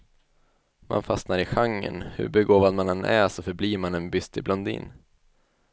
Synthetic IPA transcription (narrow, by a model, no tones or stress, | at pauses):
mʔa̰nfasnaɾɪɧaŋːə̰nhɵ̰ɾbɛɡoːvad̪manɛnʔæ̰sɔfœɾbliːɾmanɛnbʏst̪ɪblɔnd̪ḭːn